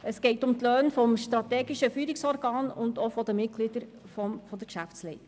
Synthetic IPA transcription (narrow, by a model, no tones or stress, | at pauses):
əsɡ̥ɛɪtʊmtløːnfɔmʃtɾɑt̪ɛːɡiʃəfyːɾiksɔɾɡɑːnʊnd̪ofɔd̪əmɪt̚ɡ̥lid̪əɾ | fɔmfɔd̪əɾkʃæft͡slɛɪ